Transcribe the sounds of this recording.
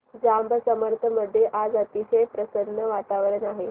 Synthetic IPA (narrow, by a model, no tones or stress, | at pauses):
d͡zambʱəsəməɾt̪ʰəməd̪ʱːjeʔad͡zət̪iɕəjpɾəsəd̪nːəʋat̪aʋəɭənaɦe